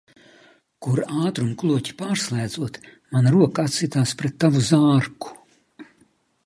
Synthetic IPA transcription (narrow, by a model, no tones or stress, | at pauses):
kuɾaːt̪ɾumklˠuɔcʲi̥paːɾslˠæːd̪zuɔt̪ | manaɾuɔkaat̪sit̪aːspɾet̪ːavuzaːɾku̥